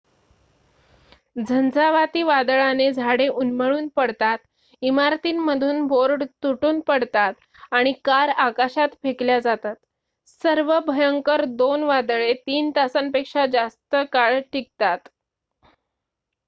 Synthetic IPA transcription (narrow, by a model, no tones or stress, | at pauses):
d͡zʱənd͡zaʋat̪iːʋad̪ɭaned͡zʱaɽeʔunməɭuːnpəɽt̪at̪ | imaɾt̪iːnməd̪ʱuːnbʱoɾɖt̪uʈuːnpəɽt̪at̪ | aɽ̃ikaɾakaɕat̪fʰekljad͡zat̪at̪ | səɾʋəbʱəjəŋkəɾd̪onʋad̪ɭet̪iːnt̪asənpekʂad͡zast̪əkaɭʈik̚t̪at̪